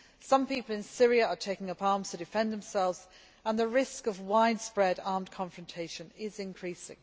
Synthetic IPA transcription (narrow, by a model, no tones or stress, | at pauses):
sʌ̃mpiˑpəlˠɪ̃nsɪɹiəətʰeɪkɪ̃ŋʌpɑɹmz̥tʰədɪfɛ̃nðə̃msɛlˠvz̥ | ə̃nðəɹɪskəvwaɪdspɹɛdɑɹmkʰɒ̃ɱfɹə̃ntʰeɪʃə̃nɪzɪ̃nkʰɹ̥isɪ̰̃ŋ